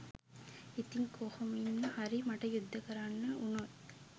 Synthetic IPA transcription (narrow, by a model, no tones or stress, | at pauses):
it̪iŋkoːhɐminːɐhɐɾimɐʈɐjud̪ʱːɐkɐɾaːnːɐunol